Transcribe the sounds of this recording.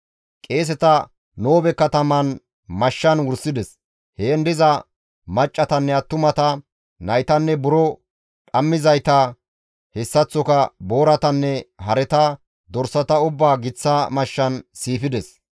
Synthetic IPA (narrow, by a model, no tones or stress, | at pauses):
kʼe̞ːs̬ɛt̪ɐ | noːbɛkːɐt̪ɐmɐn | mɐʃːɐnwʊɾsɪd̪ɛs | heːnd̪ɪzɐ | mɐt͡ʃʼːɐt̪ɐnːɛɐt̪ːʊmɐt̪ɐ | nɐjt̪ɐnːɛbʊɾɔ | ᶑʼɐmːɪzɐjt̪ɐ | hɛsːɐt͡sːɔkɐbo̞ːɾɐt̪ɐnːɛhɐɾɛt̪ɐ | d̪ɔɾsɐt̪ɐʊbːaːɡɪt͡sːɐmɐʃːɐnsiːfɪd̪ɛs